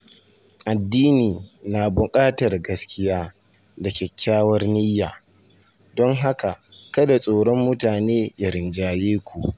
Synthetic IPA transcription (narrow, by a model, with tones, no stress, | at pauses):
ʔa˨dːiː˦niː˨na˨bʊ˨kʼaː˦tɐ˨rɡɐ˦skʲɪ˦jaː˦ | da˨kʲɛ˨kʲːaː˦wɐ˦rnɪ˦jːaː˨ | dɔ˦ŋɦa˦ka˨ | kɐ˦da˨sʼoː˨ɽɔ˦mːʊ˦taː˨neː˦ja˦ɾɪ˨nd͡ʒaː˨jeː˦kʷṵ˨ʔ